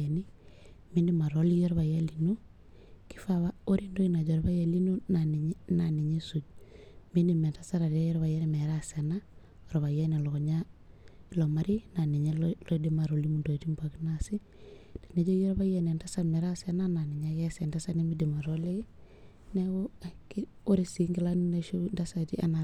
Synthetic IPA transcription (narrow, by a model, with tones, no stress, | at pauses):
e˨ni˦mi˦ndi˦ma˨ɾo˦li˦jɔ˦ɾβa˨ja˦li˨nu˦ | ki̥˦fa˨βa˦o˦ɾi˦ndo˦ina˨ɟɔ˨ɾba˦ja˦li˦nu˦na˨nna˨ni˨ɲe˦su˨ɟ | mi˦ndi˨me˨ta˦sa˦ɾa˨de˦jɔ˦ɾβa˨je˦ɾme˨ɾa˦se˨na˦ | ɔ˨ɾɔβa˨je˦ni˨lɔ˨kɔ˨ɲa˦ | lo˨ma˦ɾi˦na˨ni˨ɲe˦lo˦di˦ma˨ɾo˨li˦mu˨ndo˨ti˦mba˨ki˦nasi˦ | d̥e̥˨ne˦ɟo˦jo˦ɾba˦jene˨nda˦sa˦nme˨ɾase˦na˦na˨ni˨ɲa˦ke˦se˨nda˦sani˦mi˦di˨ma˨ɾo˦le˦ | newo˦ki | o˦ɾi˨si˦ŋɡi˦lanneʃu˦nda˦sa˨tḭ˦a̰˦na˨